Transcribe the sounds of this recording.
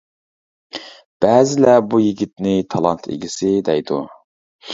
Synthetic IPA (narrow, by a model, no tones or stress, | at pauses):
b̥ɛzɪlɛbujiɡʲit̪nɪt̪ʰɑlˠɑ̰nt̪ʰḛɡʲisɪd̪ɛjd̪ṵ